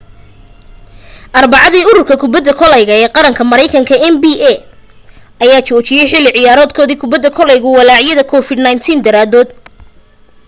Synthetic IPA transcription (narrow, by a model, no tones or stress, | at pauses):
ʔɐrbɑʕɑðiːʊɾʊrkʰɐkʰʊbɐd̪ːɐkʰɔlɛjɣɐɛːqɑɾɐŋkʰɐmɐɾɛjkʰɐŋkʰɐɛnbiːʔɛ | ʔɐjaːt͡ʃɔːt͡ʃɪjɛjħɪlːɪʕɪjaːɾɔːd̪̚kʰɔːðiːkʰʊbɐd̪ːɐkʰɔlɛjɣʊwɑlaːʕjɐðɐkʰɔfɪd̪najnt̪ʰiːnd̪ɐɾaːd̪ɔːd̪